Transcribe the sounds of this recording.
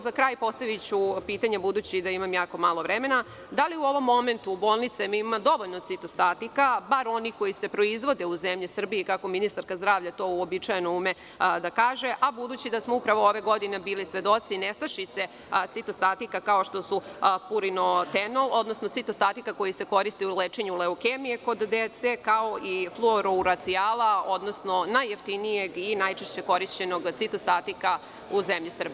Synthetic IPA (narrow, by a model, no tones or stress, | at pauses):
zakɾaːjpo̞st̪aʋit͡ɕupiːt̪aɲebud̪uːt͡ɕid̪aimamjaːko̞maːlo̞ʋɾeme̞na | d̪aliuo̞ʋo̞mːo̞me̞nt̪ubo̞ːlˠnit̪semiimmad̪o̞ʋo̞ʎno̞t̪sit̪ost̪at̪ikabaɾo̞nixko̞jise̞pɾo̞izʋo̞d̪e̞uzemʎisr̩biikako̞minist̪aɾkazd̪ɾaːʋʎat̪o̞ːuobit͡ʃaje̞noume̞ | d̪akaːʒe̞ʔabud̪uːt͡ɕid̪asmoupɾaʋooʋe̞ɡo̞d̪ine̞biːlisʋe̞d̪o̞t̪sinest̪aʃit̪se̞ | t̪it̪ost̪at̪ikakao̞ʃt̪o̞supuɾino̞t̪eno̞lˠo̞d̪no̞snosit̪ost̪at̪ikako̞jise̞ko̞ɾist̪iuleːt͡ʃe̞ɲuleokemije̞ko̞d̪ːet̪se̞kao̞ʔiflˠuoɾuuɾat̪siaːlao̞d̪nosno̞najːeft̪inije̞ɡinajt͡ʃeʃt͡ɕe̞ko̞ɾiʃt͡ɕe̞no̞ɡt̪sit̪ost̪at̪ika | uzemʎisr̩b